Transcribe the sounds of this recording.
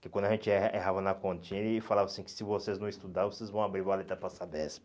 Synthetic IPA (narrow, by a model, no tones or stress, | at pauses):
kekwɐ̃d̪aʒẽnt͡ʃɪɛeɦavɐnɐkõnt͡ʃĩɪːfalavɐasĩkɪ̥sɪvoseznɐ̃w̃ist̪ud̪aɾvosezvɐ̃w̃abɾiɾvɐ̃alet̪ɾɐpasad̪ɛsim